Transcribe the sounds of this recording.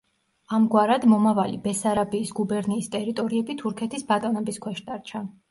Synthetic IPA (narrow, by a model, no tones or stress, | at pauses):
amɡwaɾad̪mɔmavalḭbɛsaɾabiːsɡubɛɾniːst̪ʼɛɾit̪ʼɔɾiɛbit̪ʰuɾkʰɛt̪ʰisbat̪ʼɔnɛbiskʰwɛʃd̪̥aɾt͡ʃʰa